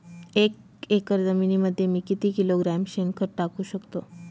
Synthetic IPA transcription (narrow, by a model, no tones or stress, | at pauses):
ek̚ | ekəɾd͡zəminiməd̪ʱːjemiːkit̪iːkiloɡɾamɕenkəɾʈakuːɕəkt̪o